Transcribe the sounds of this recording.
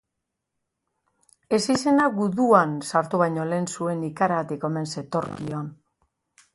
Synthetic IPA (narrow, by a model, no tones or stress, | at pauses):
e̞sise̞naɣuðuansaɾt̪uβajɲo̞le̞ːnsue̞nikaɾaɣat̪iko̞me̞nse̞t̪o̞ɾkioan